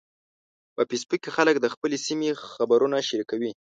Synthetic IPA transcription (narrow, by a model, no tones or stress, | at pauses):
pəpispukexalək̚d̪əxpəlesimexabaɾunaʃaɾikawi